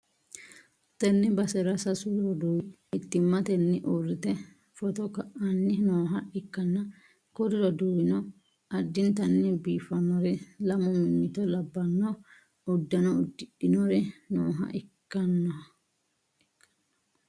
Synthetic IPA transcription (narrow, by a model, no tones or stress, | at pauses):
t̪ɛnːɪbɐsɛɾɐsɐsʊlɔd̪uːwɪ | ɪt̪ːɪmːɐt̪ɛnːɪʔoːrːɪt̪ɛ | fɔt̪ɔkɐʔɐnːɪnoːɦɐɪkːɐnːɐ | kɔɾɪɾɔd̪uːwɪnɔ | ɐd̪ːɪnt̪ɐnːɪbiːfɐnɔɾɛlɐmɔmɪŋːɪt̪ɔlɐbːɐnːɔ | ʊd̪ːɐnɔʊd̪ːɪʔɪnɔɾɛnoːɦɐ̰ʔɪkːɐnːɔ | ɪkːɐ̥n